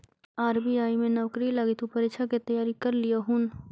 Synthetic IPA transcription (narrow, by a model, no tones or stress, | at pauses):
aːɾbiaːimẽnɔʋkɾilaːɡɪt̪upɐɾet͡ʃʰaket̪ɐjaːɾikɐɾlijaɦun